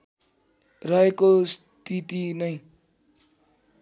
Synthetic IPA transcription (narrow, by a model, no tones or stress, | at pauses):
raekos | t̪ʰit̪inʌj